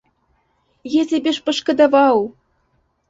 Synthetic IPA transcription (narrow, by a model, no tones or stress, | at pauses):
jĕzʲɘ̆bʲeʃpɤ̆ʃkɤ̆d̪ɑvɑw